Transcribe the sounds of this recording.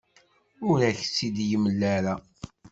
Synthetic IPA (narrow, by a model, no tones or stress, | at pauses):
ʊɾæçsid̪jəmːlːaɾa